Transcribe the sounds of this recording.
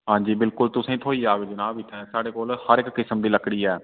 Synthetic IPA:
ɦãːɲd͡ʒiːbɪlkʊlt̪ʊsẽːt̪ʰoːiaːʋed͡ʒɪnaːbɪt̪ʰɛːsaːɽekoːlhəɾɪkːɪsəmd̪iːləkɽiːɛː

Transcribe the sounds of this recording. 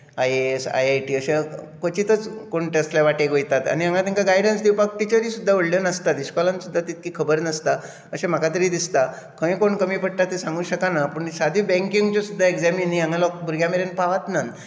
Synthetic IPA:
ajesa̰jajʈiːəɕẽkət͡ɕit̪ət͡skoɳʈeəst̪ljaʋaʈeɡojt̪at̪a̰niãŋɡat̪iŋkaɡajɽənsd̪iwpak̚ʈit͡ɕəɾisud̪ʱːaʋəɽljənəst̪at̪iɕkɔlansud̪ʱːat̪it̪̚kiːkʰəbəɾnəst̪a | əɕẽm̤akat̪əɾiːd̪ist̪a | kʰə̃j̃koɳkəmiːpəɽt̪at̪ːisãŋɡuːɕəkanapəːɳɕad̪ʱibɛ̃ŋkiŋɡt͡ɕɔsud̪ʱːaeɡd͡zaminiaŋɡalɔk̚bʱuɾɡjameɾenpaʋat̪nan

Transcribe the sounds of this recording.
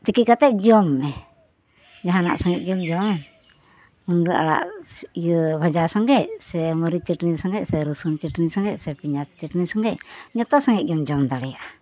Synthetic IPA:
t̪ikikat̪ɛʔ̚d͡ʒɔmːɛ | d͡ʒaɦana̰ʔsɔŋɛʔ̚d͡ʒɔmd͡ʒɔm | mund̪uʔa̰ɽa̰ʔijəbʱad͡ʒasɔŋɡɛʔsɛmɔɾit͡ʃiʈnisɔŋɡɛʔsɛɾusunt͡ʃiʈnisɔŋɡɛʔsɛpiɲast͡ʃəʈnisɔŋɡɛʔ̚ɲɔt̪ɔsɔŋɛʔ̚d͡ʒɔmd͡ʒɔmd̪aɽɛjaʔa

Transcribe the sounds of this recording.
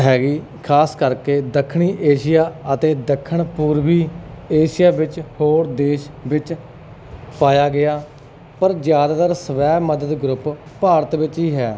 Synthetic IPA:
ɦɛːɡiː | kʰaːskəɾkeːd̪əkʰːɽ̃iːʔeːʃɪjaːət̪eːd̪əkʰːəɳpuːɾʋiːeːʃɪjaːʋɪt͡ʃhoːɾd̪eːʃʋɪt͡ʃ | paːjaːɡɪaː | pəɾd͡ʒjaːd̪aːt̪əɾsəʋɛːməd̪əd̪ɡɾʊppaːɾət̪ʋɪt͡ʃɦiːɦɛː

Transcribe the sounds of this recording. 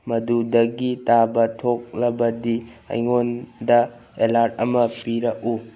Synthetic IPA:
mɐdudɐɡitabɐtʰok̚lɐbɐdiɐ̰jŋondɐ | elaɾt̚ɐmɐpiɾɐku

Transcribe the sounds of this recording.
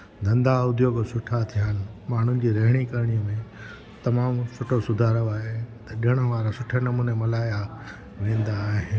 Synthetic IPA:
d̪ʱɐ̃nd̪aʊd̪ʱjoːɡsʊʈʰat̪ʰiɦaːnɪ̆maːɳ̤ʊ̃nɪ̆d͡ʑiːɾɐɦɪɽ̃ikɐɾɽ̃ijəmẽ | t̪ɐmaːmsʊʈʰosʊd̪ʱaːɾəaːɦet̪ɐɗɪɽ̃əʋaːɾasʊʈʰənɐmuːnemɐlaːja | ʋẽːn̆d̪aːɦɪ

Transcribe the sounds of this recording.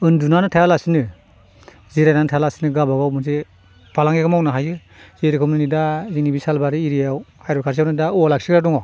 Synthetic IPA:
ɯndunanɯtʰajalasinɯ | ziɾajnantʰajalasinɯɡabaɡawmɯzi | pʰalaŋeɡɯmawnaɦajɯ | z̥eɾikʰɯmnɯnidazinibisalbaɾɯiɾijawhajɾɔkʰaɾs̬iawnɯdaɔlak̚sikɾadɔŋɔ

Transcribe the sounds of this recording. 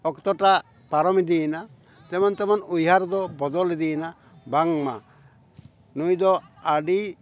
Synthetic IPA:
ɔkt̪ɔʈa | paɾɔmid̪ina | t̪ɛmant̪ɛmanujɦaɾd̪ɔbɔd̪ɔlid̪ina | baŋma | nujd̪ɔaɖi

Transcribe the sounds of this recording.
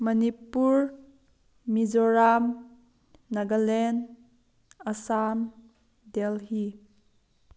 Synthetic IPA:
mənipuɹ | mizɔɾamː | ɐɡəlɛn | əsam | dɛlhi

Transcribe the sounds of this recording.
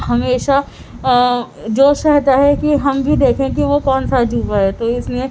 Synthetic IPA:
ɦɐmeːʃa | d͡ʒoːʃɛɦt̪aɦɛkiɦɐmbʱid̪eːkʰẽkiʋokɔːnsad͡ʒʱuːʋaɦɛt̪oɪsliẽ

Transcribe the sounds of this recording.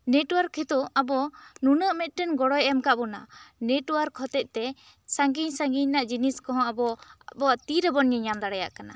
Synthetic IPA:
nɛʈɔwaɾkʰɛt̪uabɔnunəʔmɛt̪̚ˀʈɛnɡɔɽɔjɛmkaʔbɔna̰nɛʈɔwaɾkʰɔt̪ɛt̪̚t̪ɛ | saŋɡiɲsaŋɡiɲnaʔd͡ʒiniskɔɦɔ̃abɔbɔat̪iɾɛbɔnɲɛɲamd̪aɽɛja̰ʔkana̰

